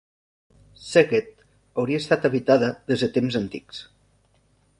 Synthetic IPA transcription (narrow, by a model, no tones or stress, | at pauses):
seɣet̪̚ | əwɾiəst̪at̪əβit̪aðəðezðət̪emzənt̪ḭks